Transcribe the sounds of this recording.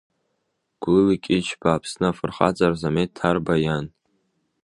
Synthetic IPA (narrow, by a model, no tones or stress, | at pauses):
ɡ̥ʷlɨlikʲʼit͡ʃʰbaːpʰsnɨafɨrχa̰t͡sʼarzametʰːarbajan